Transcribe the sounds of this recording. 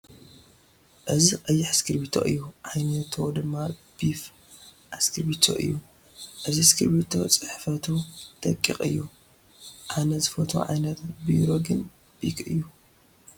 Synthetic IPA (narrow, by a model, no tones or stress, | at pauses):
ʔɨziqʼɐjːɪħskʰɨɾbit̪ʰo̰ʔɨ̰jːuʕajnɐt̪ʰod̪ɨmːab̥if | ʔaskʰɨɾbit̪ʰo̰ʔɨ̰jːu | ʔɨziskʰɨɾbit̪ʰo̞̰t͡sʼɨħfɐt̪ʰut̪ɐkʼːiqʼɨ̰jːu | ʔanɐzɨfot̪ʰo̰ʕa̰jnɐt̪biɾo̞ɡɨn | b̥ikʰɨjːu